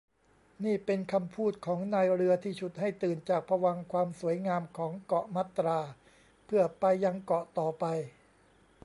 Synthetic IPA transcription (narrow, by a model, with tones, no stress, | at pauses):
niː˥˩pe˧nkʰa˧mpʰuː˥˩t̪̚kʰɔː˩˦ŋnaː˧jɾɯ˧ɐt̪ʰiː˥˩t͡ɕʰu˨˦˩t̪̚ha˥˩jt̪ɯː˨˩nt͡ɕaː˨˩k̚pʰɾa˧wa˧ŋkʰwaː˧msu˩˦əjŋaː˧mkʰɔː˩˦ŋkɔ˨˩ʔmaː˥˩t̪ːɾaː˧ | pʰɯ˥˩ɐpa˧jːa˧ŋkɔ˨˩ʔt̪ɔː˨˩pa˧j